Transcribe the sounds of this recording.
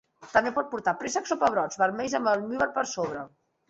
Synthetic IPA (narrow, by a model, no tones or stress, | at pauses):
t̪əmbepɔt̪̚puɾt̪apɾesəksopəβ̞ɾɔd͡zβəɾmɛjzəməlˠmyβəɾpəɾsoβ̞ɾə